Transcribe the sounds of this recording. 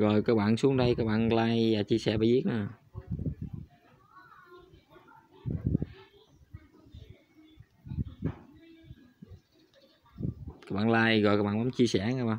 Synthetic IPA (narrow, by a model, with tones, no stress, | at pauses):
ɣɔ˨˩jkaː˧k̚ɓaː˧˨nsu˨˦əŋɗə˧jkaː˦˥k̚ɓa̰ː˧˨nlaː˧jaː˨˩t͡ɕi˧əsɛ̰˧˩ɓa̰ː˧˩zi˦˥ək̚na˧˨˩ | kaː˦˥k̚ɓa̰ː˧˨laː˧jɣɔ̰˨kaː˦˥k̚ɓaː˧˨mɔ˨˦ŋ͡mt͡ɕi˧əsɛ˧˩ŋaː˧˩ɓaː˧˩˨